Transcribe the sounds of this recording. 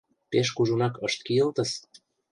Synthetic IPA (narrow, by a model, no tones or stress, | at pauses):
peʃkuʒunɑkəʃt̪̚kiəlt̪ə̆s